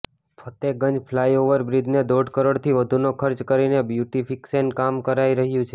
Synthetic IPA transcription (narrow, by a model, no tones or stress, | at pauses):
pʰət̪eɡəɲd͡ʒpʰlaioʋəɾbɾid̪ʱned̪oɖkəɾoɽt̪ʰiʋəd̪ʱunokʰəɾt͡ʃkəɾinebjuʈifʰiksenkamkəɾaiɾəɦjũt͡ʃʰe